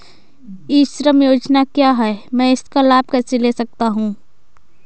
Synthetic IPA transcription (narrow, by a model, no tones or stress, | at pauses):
iːʃɾəmjoːd͡ʒnakjaːɦɛːmɛ̃ːɪskalaːbʱkɛːseleːsɐk̚t̪aɦũː